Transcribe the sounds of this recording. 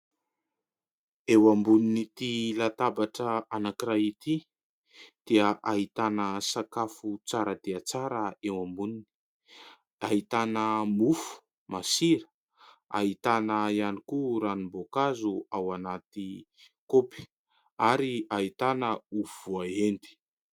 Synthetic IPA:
ewambuninit̪ilat̪abaʈ͡ʂəanakirait̪i | d̪̥iəʔaɦit̪anəsakafut͡saɾəd̪eat͡saɾəewambunini̥ | aɦit̪anəmufu̥ | masiɾə̥ | a̰ɦit̪anəianikuɾanimbokazuawanat̪i | kopi̥ | aɾiaɦit̪anəuvuaend̪i̥

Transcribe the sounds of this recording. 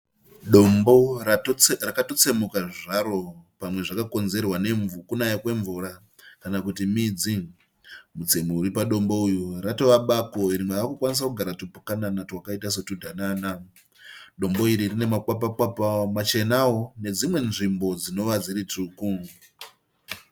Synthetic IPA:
ɗo̞mbo̞ | rakato̞t͡se̞mukaʐiʐaɾo̞pamwe̞ʐakako̞nze̞rwane̞ɱukunajakwe̞ɱvuɾa | kanakutimid͡zi | mut͡se̞muuɾipaɗo̞mbo̞ujurato̞ʋaɓako̞iɾimweakukwanis̬akuɡʱaɾatupukananatiwakaitas̬etudʱanana | ɗo̞mbo̞iɾirine̞mak͡papak͡papamat͡ʃe̞nawone̞d͡zimwe̞nʐimbo̞d͡zino̞ʋad͡ziɾituku

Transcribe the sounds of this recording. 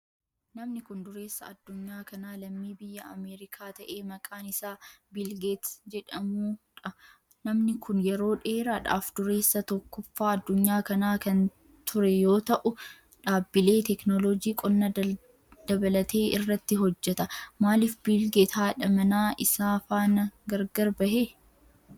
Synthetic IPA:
nɐmnɪkʊnd̪ʊɾeːsːɐ̰ɐd̪ːʊɲːaːkɐnaːlɐmːiːbɪjːɐɐmeːɾɪkʰaːt̪ɐʔe̞ːmɐkʼaːnɪsaːbɪlɡeːt̪d͡ʒɛᶑɐmuːᶑɐ | nɐmnɪkʰʊnjɛɾo̞ːᶑe̞ːɾaᶑa̰ːfd̪ʊɾe̞ːsːɐt̪ɔkːɔfːaːɐd̪ːʊɲːaːkɐnaːkɐn | t̪ʰʊɾɛjo̞ːt̪ɐʔʊ | ᶑaːbːɪle̞ːt̪ɛknɔlɔd͡ʒiːkʼɔnːɐ | d̪̥ɐbɐlɐt̪ʰeːʔɪrːɐt̪ːɪɦɔd͡ʒːɛt̪ɐmaːlɪfbɪlɡet̪haːᶑɐmɐnaːʔɪsaːfaːnɐɡɐɾɡɐɾbɐhe

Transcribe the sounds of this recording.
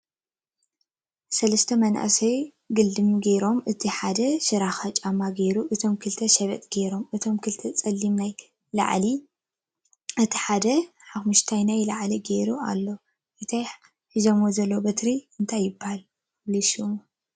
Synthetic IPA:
sɐlɐst̪ʰɐmɐnʔa̰sɐj | ɡɨld̪ɨmɡejɾo̞mʔɨt̪ʰiħad̪ɐʃɨɾaxat͡ʃʼamːaɡejɾuʔɨt̪ʰo̞mkʰɨlt̪ʰɐʃɐβɐ̰t̪ʼɡejɾo̞mɨt̪ʰo̞mkʰɨlt̪ʰɐt͡sʼɐlːimnaj | la̰ʕli | ʔɨt̪ʰiħad̪ɐ | ħaxmuʃt̪ʰajnajlaʕliɡeɾua̰lːo̞ | ʔɨt̪ʰaj | ħɨzɐmozɐlːobɐt̪ɾiɨnt̪ʰajːɪbːahal | lisum

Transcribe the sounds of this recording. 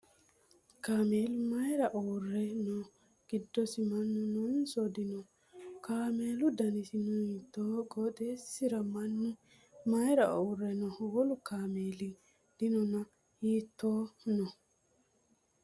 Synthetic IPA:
kaːmeːlmɐjɾɐʔoːrːɛnɔ | ɡ̥ɪd̪ːɔsɪmɐnːʊnɔnsɔd̪ɪnɔ | kaːme̞ːlʊd̪ɐnɪsɪnɔiːt̪ːoːɡɔːd̪esɪɾɐmɐnːɪ | mɐjɾɐʔoːrːɛnɔwɔlʊkaːmeːlɪ | d̪̥ɪnɔnɐ | jiːt̪ːoːnɔ

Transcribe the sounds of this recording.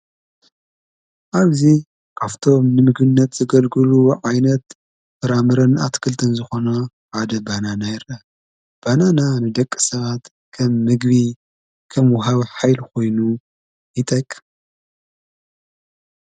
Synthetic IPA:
ʔaβzi | kʰaft̪ʰo̞mnɨmɨɡbɨnːɐt̪z̥ɨɡɐlɡɨluʕajnɐt̪ | fɐɾamɨɾɐnʔa̰t̪ʰkʰɨlt̪ʰɨnzɨxo̞nɐ | ħad̪ɐbananajɪɾʔa | b̥anananɨd̪ɐkʼːɨsɐβat̪ | kʰɐmːɨɡβi | kʰɐmwɔɦaβħajlkʰo̞jnu | jɨt̪ʼɐkʼː

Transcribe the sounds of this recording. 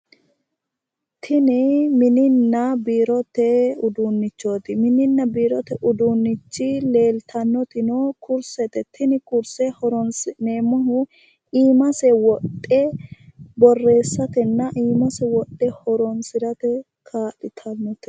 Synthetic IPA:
t̪ʰɪnɪmɪnɪnːɐbiːɾɔt̪ɛʊd̪unːɪt͡ʃːo̞ːt̪ɪmɪnɪnːɐbiːɾɔt̪ɛʔʊd̪unːɪt͡ʃːɪle̞ːlt̪ʰɐnːɔt̪ɪnokʰʊɾsɛt̪ɛt̪ɪnɪkʊɾsɛhɔɾɔnsɪneːmɐɦʊ | iːmɐsɛwɔtʼːɛ | bɔrːe̞ːsːɐt̪ɛnːɐʔiːmɐsɛwɔt̪ʼːɛhɔɾɔnsɪɾɐt̪ɛ | kʰaːtʼɪt̪ʰɐnːɔt̪ɪ̥

